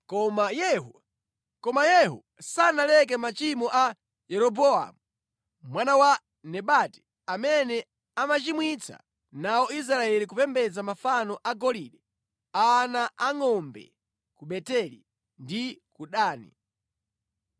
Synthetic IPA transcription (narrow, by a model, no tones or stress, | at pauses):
kɔmajɛɦu | kɔmajɛɦṵ | sanalɛk̬ɛmat͡ʃimɔʔa | jɛɾɔbɔa̰mu | mwanawa | nɛɓati̥ | amɛnɛ | amat͡ʃimwit͡sʰa̰ | naɔis̬ɾaɛlikupɛmbɛd͡zamafanɔʔaɡɔliɗɛ | anaʔaŋɔmbɛ̰ | kuɓɛtɛlḭ | ndikuɗaːnḭ